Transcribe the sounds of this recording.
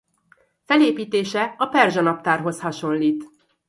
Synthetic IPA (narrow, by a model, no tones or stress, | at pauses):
fɛleːpiːt̪eːʃɛɒpɛrʒɒnɒp̚t̪aːrɦo̞shɒʃo̞nliːt̪